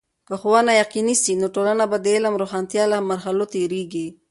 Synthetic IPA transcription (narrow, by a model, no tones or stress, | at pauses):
kəxowanajaqinisinoʈolanabad̪əɪlamɾoxɑnt̪jɑlamaɾɦalot̪eɾeɡi